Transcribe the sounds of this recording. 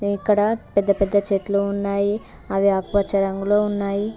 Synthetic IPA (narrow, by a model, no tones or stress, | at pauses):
ikːɐɽɐpɛd̪ːɐpɛd̪ːɐt͡ʃeʈluːnːaːji | ɐʋiaːkʋɐt͡ʃɐɾɐŋɡulo̞ːunːaːji